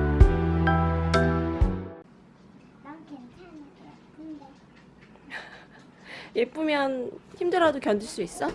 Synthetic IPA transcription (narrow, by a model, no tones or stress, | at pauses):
jep͈umjʌnçimdɯɾadokjʌnd͡ʑiɭs͈uis͈ʌ